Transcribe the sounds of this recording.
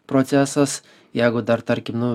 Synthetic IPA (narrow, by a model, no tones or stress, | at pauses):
pɾot̪sʲæsɐs | jæɪɡʊd̪ɐɾt̪ɐɾʲkʲɪmnu